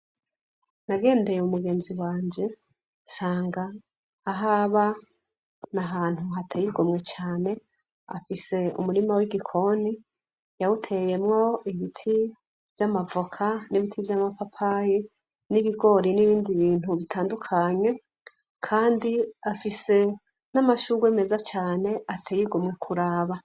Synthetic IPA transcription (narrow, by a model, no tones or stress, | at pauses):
naɡe̞ːndejeumuɡe̞ːnziwaːɲd͡ʒe̞ | saːŋɡaː | ɦaβa | naɦaːn̥huɦatʰejiɡomŋe̞t͡ʃaːne̞ | a̰fise̞ṵmuɾimawiɡikʰo̞ni | jawutʰe̞je̞mŋo̞iβitʰi | v̥jamavokʰaniβitʰivjamapapʰaji | niβiɡo̞ɾiniβiːndiβiːn̥huβitʰaːndukʰaɲe̞ | kʰaːndiafise̞ | namaʃuɡwe̞ːme̞zat͡ʃaːne̞ʔatʰejiɡo̞mŋe̞kʰuɾaːβa